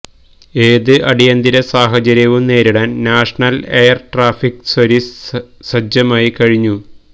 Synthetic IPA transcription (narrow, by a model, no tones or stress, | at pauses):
eːðɨʔɐɽijɐnd̪iɾɐsaːɦɐt͡ɕɐɾjɐʋumneːɾiɽɐnnaːʂɐɳɐlejɐrʈraːfiksɐɾis | sɐd͡ʑɐmaːjikɐɻiɲːu